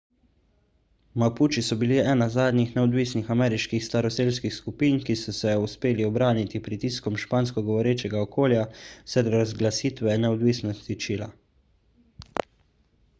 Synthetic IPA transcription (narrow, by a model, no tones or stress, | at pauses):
mapuːt͡ʃisɔbiliɛːnazaːd̪nixnɛɔd̪ʋiːsnixamɛːɾiʃkixst̪aɾɔseːlskixskupiːnkisɔsɛuspeːliɔbɾaːnit̪ipɾit̪iːskɔmʃpaːnskɔɡɔʋɔɾeːt͡ʃɛɡaɔkoːljasɛɾɾazɡlasiːt̪ʋɛnɛɔd̪ʋiːsnɔst̪it͡ʃiːla̰